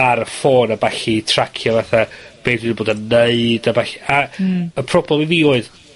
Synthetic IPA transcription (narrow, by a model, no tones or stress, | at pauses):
aɾəfoːnabaɬitʰr̥akʰjɔvaθab̥eːdwɪdboːdanəɨdabaɬiaəpʰrɔblɛmiviːoɨð